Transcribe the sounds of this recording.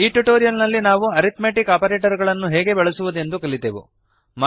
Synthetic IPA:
iːʈuʈoːɾijɐlnɐlːinaːʋuɐɾit̪meːʈikaːpɐɾeːʈɐɾuɡɐɭɐnːuɦɛːɡe̞bɛɭɐsuʋud̪e̞nd̪ukɐɭid̪eːʋṵ | ma

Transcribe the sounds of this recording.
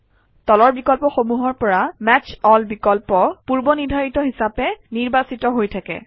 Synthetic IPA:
tɔlɔɹbikɔlpɔxomuɦɔɹpɔɹamɛt͡ʃɔlbikɔlpɔpuɹbɔniɹdʱaɹitɔɦisapɛniɹbasitɔɦojtʰakɛ̰

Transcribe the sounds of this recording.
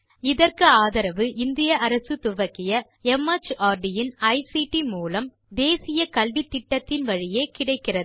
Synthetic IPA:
ɪðɐrkɯaːðɐɾɐʋɯʔɪnd̪ɪjɐʔɐɾɐsɯt̪ʊʋɐkːɪjɐ | ɛmɐt͡ʃaːɾɖɪjɪnɐɪsiʈimuːlɐm | d̪eːsɪjɐkɐlʋɪt̪ːɪʈːɐt̪ːɪnʋɐɻɪjeːkɪɽɐɪkːɪrɐɯ

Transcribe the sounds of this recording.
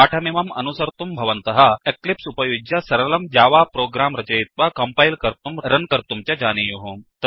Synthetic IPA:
aːʈʰɐmimɐmɐ̰nusɐɾt̪umbʱɐʋɐnt̪ɐɦɐeklipsupɐjud͡ʒjɐsɐɾɐlɐmd͡ʒaːʋaːpɾoːɡɾaːmɾɐt͡ʃɐjit̪̚ʋakɐmpajlkɐɾt̪umɾɐnkɐɾt̪umt͡ʃjad͡ʒaːnijuɦumt̪ɐ

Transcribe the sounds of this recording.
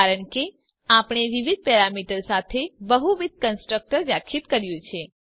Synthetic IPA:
aɾəɳke | apɳ̃eʋiʋid̪̚ʱpɛɾamiʈəɾsat̪ʰebəɦuʋid̪̚ʱkənsʈɾək̚ʈəɾʋjakʰit̪kəɾjũt͡ʃʰe

